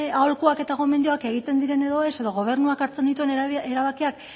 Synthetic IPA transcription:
aolkuake̞t̪aɣo̞mend̪oake̞ɣ̞it̪e̞nd̪iɾe̞ne̞ðo̞e̞se̞ðo̞ɣ̞o̞β̞e̞rnuakaɾt͡se̞nd̪it̪ue̞neɾaβakiak

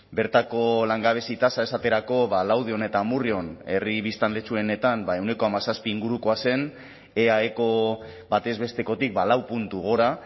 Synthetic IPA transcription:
be̞ɾt̪ako̞laŋɡaβ̞e̞sit̪asaesat̪e̞ɾako̞βalawð̞io̞ne̞t̪amurio̞ne̞riβist̪anle̞t͡ʃue̞ne̞t̪ambae̞wne̞ko̞amasaspiːŋɡuɾuko̞ase̞n | e̞aeko̞ | bat̪e̞zβe̞st̪e̞ko̞t̪ik̚balawpunt̪uɣo̞ɾa

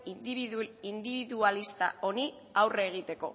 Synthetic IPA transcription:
ind̪iβiðualist̪a̰o̞ni | awreːɣ̞it̪e̞ko̞̰

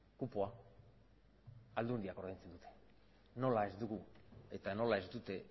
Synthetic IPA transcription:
kupoa | ld̪und̪iako̞ɾðejnt͡sed̪ut̪ʰe̞̥ | no̞lae̞zd̪uɣue̞t̪ano̞lae̞zd̪ut̪e̞

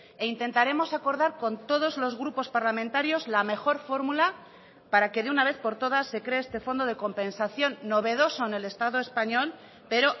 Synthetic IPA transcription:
eint̪e̞nt̪aɾe̞mo̞sako̞ɾðaɾko̞nt̪o̞ð̞o̞zlo̞zɣ̞ɾupo̞spaɾlamẽnt̪aɾjo̞zlame̞xo̞ɾfo̞ɾmula | paɾake̞ðeunaβ̞e̞θpo̞ɾt̪o̞ð̞asːe̞kɾe̞est̪e̞fo̞nd̪o̞ðe̞ko̞mpe̞nsaθjo̞nːo̞β̞e̞ðo̞so̞ene̞le̞st̪aðoe̞spaɲo̞l | pe̞ɾo̞

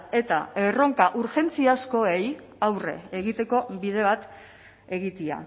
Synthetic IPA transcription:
e̞t̪a̰ero̞ŋkaʔuɾxe̞nt͡siasko̞e̞j | awre̞̰ːɣ̞it̪e̞ko̞bið̞e̞β̞at̪ | e̞ɣit̪ia̰

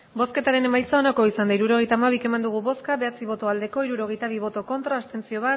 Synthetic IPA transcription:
bo̞ske̞t̪aɾe̞ne̞majsao̞nako̞isand̪aiɾuɾo̞ɣ̞e̞jt̪aːmaβ̞ike̞mand̪uɣuβo̞skaβe̞at͡siβo̞t̪o̞ald̪e̞ko̞iɾuɾo̞ɣ̞e̞jt̪aβ̞iβ̞o̞t̪o̞ko̞nt̪ɾaːst̪e̞nt͡sio̞β̞at̪

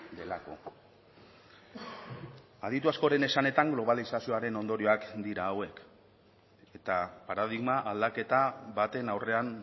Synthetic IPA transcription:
d̪e̞lako̞̰ | að̞it̪uasko̞ɾe̞ne̞sane̞t̪aŋɡlo̞β̞alisasio̞aɾe̞no̞nd̪o̞ɾio̞akd̪iɾaːwe̞k | e̞t̪apaɾað̞iɣmaʔald̪ake̞t̪aβat̪e̞nawre̞an

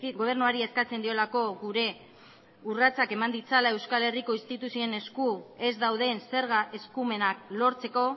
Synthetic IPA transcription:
ɣo̞β̞e̞ɾnuaɾieskat͡se̞nd̪io̞lako̞ɡuɾe̞ | urat͡sake̞mand̪it͡salaewskale̞riko̞inst̪it̪usie̞ne̞skue̞zd̪awðe̞nse̞ɾɣaʔe̞skume̞naklo̞ɾt͡se̞ko̞

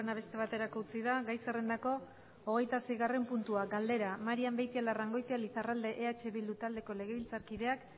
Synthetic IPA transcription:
enaβ̞e̞st̪e̞β̞at̪e̞ɾakout͡siðaɡajsarend̪ako̞ | oɣ̞e̞jt̪ase̞jɣare̞mpunt̪uaɡald̪e̞ɾamaɾiambejt̪ialaraŋɡo̞jt̪ealisarald̪e̞ʔeat͡ʃe̞βild̪ut̪ald̪e̞ko̞le̞ɣ̞e̞βilt͡saɾkiðe̞ak

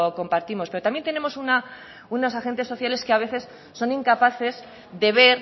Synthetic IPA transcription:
oko̞mpaɾt̪imo̞spe̞ɾot̪amjent̪ene̞mo̞suna | unosaxe̞nt̪e̞sːo̞θjale̞skeaβe̞θe̞sː | o̞niŋkapaθe̞z | ðe̞βe̞ɾ

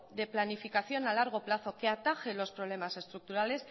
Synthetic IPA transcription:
d̪e̞planifikaθjo̞nalaɾɣ̞o̞plaθo̞ke̞at̪axe̞lo̞spɾo̞β̞le̞mase̞st̪ɾuk̚t̪uɾale̞s

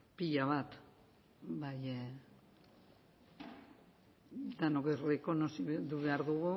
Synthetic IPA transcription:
piʎaβat̪ | baj | d̪anokereko̞nosit̪uβe̞aɾðuɣu

